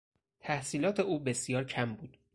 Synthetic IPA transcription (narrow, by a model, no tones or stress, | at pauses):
t̪ʰæhsiːlɒːt̪ʰe̞uːbe̞sijɒːɾcʰæmbuːd̪̥